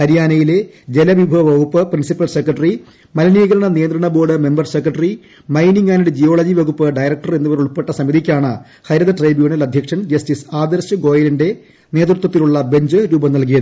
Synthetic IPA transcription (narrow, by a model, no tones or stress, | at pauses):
hɐɾijaːnɐjile̞ | d͡ʑe̞lɐʋibʱɐʋɐʋɐɣupːɨprinsipːɐlse̞krɐʈɐri | mɐlɐniːɣɐɾɐɳɐnijɐnd̪ɾɐɳɐbo̞ːɽɨme̞mbɐrsekrɐʈɐri | mɐjniŋɡaːnuɽed͡ʑijo̞ːɭɐd͡ʑiʋɐɣupːɨɖɐjɾɐk̚ʈɐre̞nːuʋɐɾuɭpːe̞ʈːɐsɐmiðikʲːaːɳɨ | hɐjɾɐðɐʈrɐjbjuːɳɐlɐd̪ʱjɐkʂɐnd͡ʑɐstisaːd̪ɐɾsɨɡo̞ːjɐlɐnde̞ | ne̞ːt̪rut̪ːwɐt̪ːiluɭːɐbe̞ɲd͡ʑɨɾuːbɐnɐlk̬ijɐðɨɨ